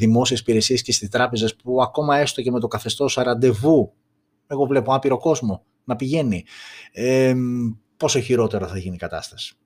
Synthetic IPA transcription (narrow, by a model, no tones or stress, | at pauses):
ðimo̞sie̞sipiɾe̞sie̞sce̞st̪ist̪ɾɐpe̞zespuɐko̞mɐe̞st̪oce̞me̞t̪o̞kɐθe̞st̪o̞sɐɾɐnd̪e̞vu | e̞ɣo̞vle̞poɐpiɾo̞ko̞zmo̞ | nɐpiʝe̞nie | po̞so̞çiɾo̞t̪e̞ɾoθɐʝinikɐt̪ɐ̰st̪ɐ̥si̥